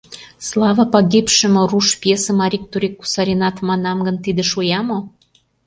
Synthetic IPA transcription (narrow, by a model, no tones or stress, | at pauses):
slˠɑvəpɑɡʲipʃə̆mŏruʃpjesə̆mɑɾʲik̚t̪uɾʲikːu̥sɑɾʲinɑt̪mɑnɑmɡə̆nt̪id̪ĕʃujɑmo